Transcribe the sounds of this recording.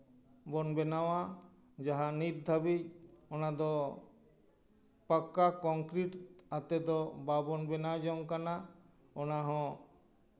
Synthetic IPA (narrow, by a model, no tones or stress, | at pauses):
bɔnbɛnawa | d͡ʒaɦanit̪̚d̪ʱabiɔnad̪ɔ | pakːakɔŋkɾiʈat̪ɛd̪ɔbabɔnbɛnad͡ʒɔŋkana | ɔnaɦɔ̃